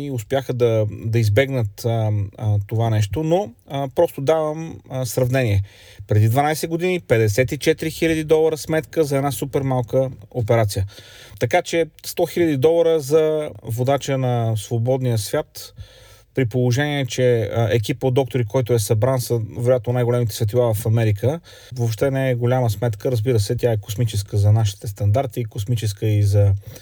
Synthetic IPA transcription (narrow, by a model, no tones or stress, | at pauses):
iʊspʲjaxəd̪ɐd̪ɐizbɛɡnət̪ | t̪ovanɛʃt̪onopɾɔst̪od̪avəmsɾɐvnɛniɛ | pɾɛd̪id̪vɐnajsɛɡod̪inipɛd̪ɛsɛt̪it͡ʃɛt̪iɾixilʲəd̪id̪ɔlˠəɾəsmɛt̪kəzɐɛd̪nasupɛɾmalˠkəopɛɾat̪sijə | t̪ɐkat͡ʃɛst̪ɔxilʲɐd̪id̪ɔlˠəɾəzɐvod̪at͡ʃənɐsvobɔd̪nijəsvʲjat̪ | pɾipolˠoʒɛniɛt͡ʃɛɛk̬ipəod̪ːɔk̚t̪oɾikɔjt̪ʊɛsɐbɾansɐvɛɾojat̪nonajɡolʲɛmit̪ɛsvʲɛt̪ilˠavɐfɐmɛɾikə | vopʃt̪ɛnɛɛɡolʲaməsmɛt̪kəɾəzbiɾəsɛt̪ʲaɛko̥smit͡ʃɛskəzɐnaʃi̥t̪ɛst̪ɐnd̪aɾt̪ikosmit͡ʃɛskəizɐ